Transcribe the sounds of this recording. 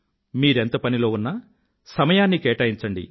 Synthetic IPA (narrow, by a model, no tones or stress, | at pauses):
miːɾe̞nt̪ɐpɐnilo̞ːunːɐ | sɐmɐjaːnːikeːʈɐjiɲt͡ʃɐɳɖḭ